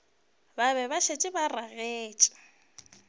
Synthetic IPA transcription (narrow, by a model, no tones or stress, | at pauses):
baβɛβaʃet͡ʃʼɪbaraɣeːt͡ʃʼɪ̥